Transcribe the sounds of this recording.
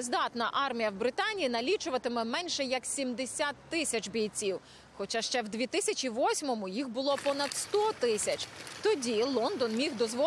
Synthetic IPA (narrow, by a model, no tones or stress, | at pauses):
zd̪ɑt̪nɐʔɑrmʲijɐwbɾɪt̪ɑnʲijːnɐlʲit͡ʃʊʋɐt̪ɪmɛmɛnʲʃɛjɐksʲimd̪esʲat̪ːɪsʲɐt͡ʃbʲijt͡sʲiw | xɔt͡ʃɑʃt͡ʃɛwd̪ʲʋʲit̪ɪsʲɐt͡ʃʲiʋɔsʲmɔmʊjixbʊlˠɔpɔnɐd̪st̪ɔt̪ɪsʲɐt͡ʃt̪ɔdʲilˠɔnd̪ɔnmʲiɣd̪ɔzʋɔ